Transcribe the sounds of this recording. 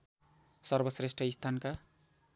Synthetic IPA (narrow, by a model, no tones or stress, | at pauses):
sʌrbʌsresʈʰʌist̪ʰanka